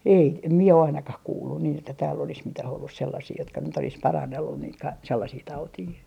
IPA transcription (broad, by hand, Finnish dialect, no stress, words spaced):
ei t em mie ɑ ɑinɑkɑh kuːlːun niːn etːæ tæːlː olis mitæh olːus selːɑsiː jotkɑ nyt olis pɑrɑnːelːun niːt kɑ selːɑsiː tɑutiː